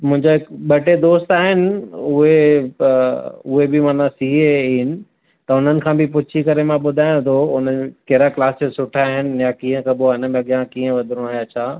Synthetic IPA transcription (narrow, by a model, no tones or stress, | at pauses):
mʊ̃ɦɪ̃ɲd͡ʑoɦɪkɓɐʈed̪oːst̪aːɦɪnɪ̆ʊɦe | ʊɦebɪmaːnasiɦenɪ̆ | t̪ɐʊn̤ənɪ̆kʰãːbɪp̬ʊt͡ɕʰikɐɾemãɓʊd̪ʱaːɪ̃ɽ̃t̪ʰoʊnəkeɦɾaklaːsd͡ʑesʊʈʰaːɦɪnɪ̆jakĩːɦə̃kʰɐboaːɪnə̆mẽɐɠijãkiːə̃ʋɐd̪ʱɪɾɽ̃õaːɦijat͡ɕʰaː